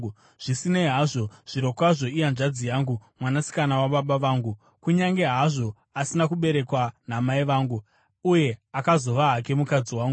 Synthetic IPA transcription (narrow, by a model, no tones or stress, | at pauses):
ʐ̥isineɦaʐoʐ̥iɾo̞kwaʐo̞ijanʐad͡zijaːŋɡumwanasi̥kanawaɓaɓaʋaːŋɡu | kuɲaŋɡe̞ɦaʐo̞ | asinakuɓe̞ɾe̞kwan̤amaiʋaːŋɡu | uje̞akazo̞ʋaɦake̞mukad͡ziwaːŋɡu